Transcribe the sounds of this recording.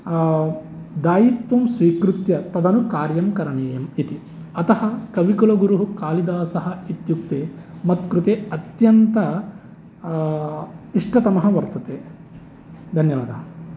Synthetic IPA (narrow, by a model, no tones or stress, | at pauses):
d̪aːjit̪ʋɐmsʋiːkɾut̪jɐt̪ɐd̪ɐnukaːɾjɐmkɐɾɐɳeːjɐmit̪i | ɐt̪ɐɦɐkɐʋikulɐɡuɾuɦukaːlid̪aːsɐɦɐit̪juk̚t̪eːmɐt̪kɾut̪eːɐt̪jɐnt̪ɐ | iʂʈɐt̪ɐmɐɦɐʋɐɾt̪ɐt̪eː | d̪ʱɐnjɐʋɐd̪ɐ